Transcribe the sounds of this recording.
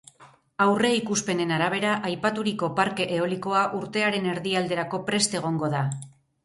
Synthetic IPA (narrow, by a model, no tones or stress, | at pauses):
awre̞ikuspe̞ne̞naɾaβ̞e̞ɾaʔajpat̪uɾiko̞paɾke̞ʔeo̞liko̞aʔuɾt̪e̞aɾe̞ne̞ɾðiald̪e̞ɾako̞pɾe̞st̪e̞ɣ̞o̞ŋɡo̞ða